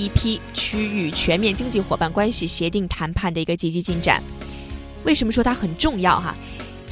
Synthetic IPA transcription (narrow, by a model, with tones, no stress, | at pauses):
i˥˩pʰi˥t͡ɕʰy˥y˨˩t͡ɕʰɥɛ˧˥nmjɛ˥˩nt͡ɕi˥ŋt͡ɕi˥˩xwɔ˨˩ba˥˩nkwa˥nɕi˨ɕjɛ˧˥t̪i˥˩ŋt̪ʰa˧˥npʰa˥˩nd̪ə˩i˧˥ɡə˧t͡ɕi˧˥˩t͡ɕi˥t͡ɕi˥˩nʈ͡ʂa̰˨˩˦n | we˥˩ɪʂə˧˥nmə˧ʂwɔ˥t̪ʰa˥xə˨˩nʈ͡ʂʊ˥˧ŋjɑ˥˩ʊxa̰˨˩